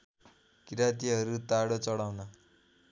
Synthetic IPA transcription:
kiɾat̪̬iɦʌɾut̪aɽot͡sʌɽawnʌ

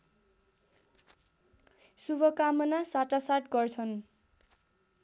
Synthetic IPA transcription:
subʱʌkamʌnasaʈasaʈɡʌrt͡sʰʌn

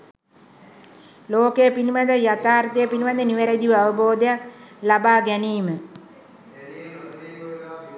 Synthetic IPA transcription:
loːkejəpinimad̪əjat̪aːɾt̪ejəpinimad̪əniʋeɾed̪iʋəaʋəboːd̪əjaklabaːɡɛniːmə

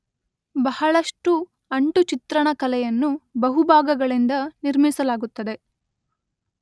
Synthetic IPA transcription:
bɐɦɐɭɐʂʈu | ɐɳʈut͡ʃit̪ɾɐɳɐkɐlɛjɐnːubɐɦubʱaːɡɐɡɐɭind̪ɐniɾmisɐlaːɡut̪ːɐd̪e̞

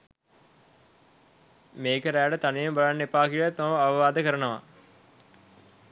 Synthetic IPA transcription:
meːkəɾæːɖət̪anijembalanːepaːkilat̪ːaʋaʋəʋaːd̪əkəɾənəʋa̰

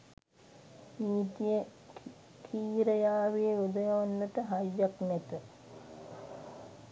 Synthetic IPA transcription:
niːt̪ijə | kʰiːɾəjaːʋijeud̪ɐjaʋanːət̪əɦajːaknɛt̪ə

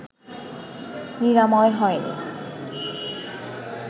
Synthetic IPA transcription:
niɾamɔeɦɔenḭ

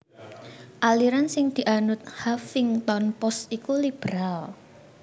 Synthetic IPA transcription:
ʔaliɾansɪŋd̪̥i̤ʔanʊt̪̚hafɪŋt̪ɔnpɔst̪ikulib̥ɾal

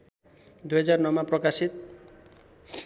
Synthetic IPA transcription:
d̪ujɦʌd͡zarnʌmaprʌkasit̪̚

